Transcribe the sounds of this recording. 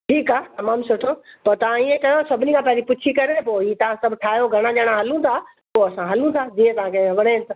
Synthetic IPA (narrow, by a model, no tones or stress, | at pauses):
ʈʰiːkaːt̪ɐmaːmsʊʈʰopɐɾt̪ɐʋ̤ãiːẽkɐjosɐbʱɪnikʰãpɐɦɪd͡ʑipʊt͡ɕʰikɐɾet̪ʰɐpoːiːt̪ɐʋ̤ãsɐbʱʈʰaːjoɡʱɐɽ̃ad͡ʑaːɽ̃ãɦɐlũt̪ʰa | poːɐsãɦɐlũt̪ʰad͡ʑiːɦẽt̪ɐʋ̤ãkʰeɐʋəɽ̃ẽt̪